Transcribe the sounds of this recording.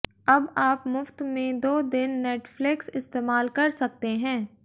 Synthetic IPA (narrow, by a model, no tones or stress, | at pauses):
ɐbaːpmʊft̪mẽd̪oːd̪ɪnːeːʈflɪksɪst̪eːmaːlkɐɾsɐk̚t̪eɦɛ̃ː